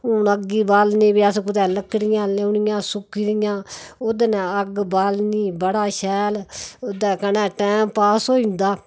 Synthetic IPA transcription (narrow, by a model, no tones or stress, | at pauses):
ʊnəɡiːbaːlniːʋiəskʊd̪ɛːləkʰːɽɪjãːleʊnɪjãːsʊkiɾɪjãːod̪ənɛːəɡbaːlniːbəɽaːʃɛːloːd̪ɛːkənɛ̃ːʈɛːmpaːsoːĩnd̪aː